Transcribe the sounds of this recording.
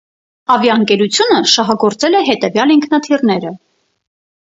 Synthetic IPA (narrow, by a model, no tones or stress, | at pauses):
ɑvjɑəŋkɛɾut͡sʰjunəʃɑɦɑɡɔɾt͡sɛlɛɦɛt̪ɛvjɑliŋkʰnɑt̪ʰirn̪ɛɾə